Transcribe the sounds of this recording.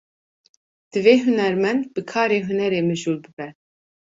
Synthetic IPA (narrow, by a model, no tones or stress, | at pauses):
d̪̥ɨveːɦʊnɛɾmɛnd̪̚bɨkʰɑːɾeːɦunɛɾeːmɨʒuːlbɨbɛ